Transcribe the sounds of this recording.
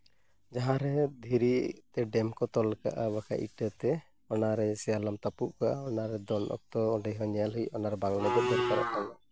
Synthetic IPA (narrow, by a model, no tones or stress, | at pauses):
d͡ʒaɦãɾɛd̪ʱiɾit̪ɛɖɛmkɔt̪ɔlka̰ʔabaka̰ʔiʈət̪ɛ | ɔnaɾɛsɛjalamt̪apuʔkaʔaɔnaɾɛd̪ɔnʔɔ̰k̚t̪ɔɔɖɛjɦɔɲɛalɦəijɔnaɾbaŋnɛɡɔb̪ɛɾkaɾɔ̰ʔkana